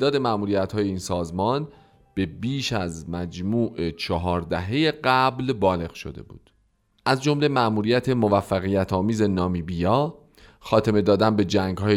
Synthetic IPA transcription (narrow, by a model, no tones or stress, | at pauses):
ed̪ɒːd̪e̞mæmuːɾijæt̪hɒːje̞iːnsɒːzmɒːn | b̥e̞biːʃæzmæd͡ʒmuːʔe̞t͡ʃʰɒɦɒːɾd̪æɦe̞je̞ɢæblbɒːle̞ɣʃo̞̰d̪e̞̰bṵːd̪̥ | ʔæzd͡ʒo̞mle̞mæʔmuːɾijæt̪ʰemo̞væfːæɣijæt̪ʰɒːmiːze̞nɒːmiːbijɒː | xɒːt̪ʰe̞me̞d̪ɒːd̪ænbe̞d͡ʒæŋɡhɒːje